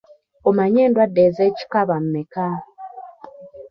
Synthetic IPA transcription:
omaɲeːndwadːezeːci̥kaβam̩meka

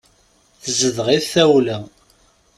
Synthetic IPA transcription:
θəzəðʁiθθæwlæ

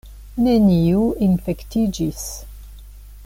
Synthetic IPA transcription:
neniuinfekt̪id͡ʒis

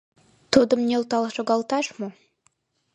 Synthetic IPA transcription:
t̪od̪ə̆mnʲelˠt̪ɑlˠʃoɡɑlˠt̪ɑʃmo

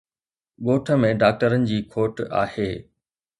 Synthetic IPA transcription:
ɠoːʈʰə̆mẽɖaːk̚ʈəɾənɪ̆d͡ʑiːkʰoːʈa̰ːheː

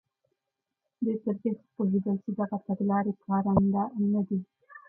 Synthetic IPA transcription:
d̪et̪əɾkɪxpoɦed̪əlt͡ʃid̪aɣat̪aɡlɑɾekʰɑːɾand̪anad̪i

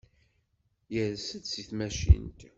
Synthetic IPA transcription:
jəɾsəd̪siθmæʃḭnt̪

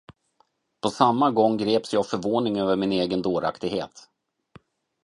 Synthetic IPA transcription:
pʰɔsamːaɡɔŋːɡɾeːpsjɑːfœɾvoːnɪŋøːvəɾmɪneːɡənd̪oːɾa̰kt̪ɪɡhḛːt̪

